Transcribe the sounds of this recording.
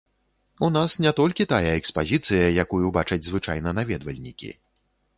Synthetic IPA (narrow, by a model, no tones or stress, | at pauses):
unasnʲɛt̪ɔlʲkʲit̪ajɐɛkspazʲit̪sɨjɐjakujubat͡ʂɐd͡zʲzvɨt͡ʂajnɐnavʲɛd̪vɐlʲnʲikʲḭ